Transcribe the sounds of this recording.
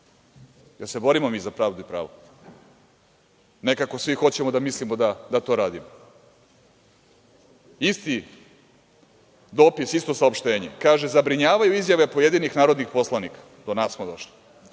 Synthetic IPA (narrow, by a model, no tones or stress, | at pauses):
jese̞bo̞ɾimomiːzapɾaːʋd̪uipɾa̰ːʋo | ne̞kako̞sʋixo̞t͡ɕemod̪amislimod̪ad̪at̪o̞ɾaːd̪imo | ist̪i | d̪o̞ːpisist̪o̞saopʃt̪e̞ːɲekaːʒezabɾiɲaːʋajuizjaʋepojed̪iːnixnaːɾo̞d̪nixpo̞slˠanikḁ | d̪onaːssmod̪o̞ʃli̥